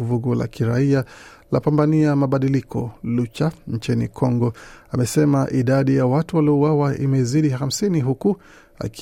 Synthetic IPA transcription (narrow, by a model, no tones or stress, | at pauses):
vuɡɔla̰kiɾaia | lapambaniamaɓaɗilikʰɔ̰lut͡ʃaɲ̩t͡ʃinḭkʰɔŋɡɔamɛsɛmaʔiɗaɗijawatuwaliɔuwawaʔimɛiziɗiham̩siniɦuku | a̰k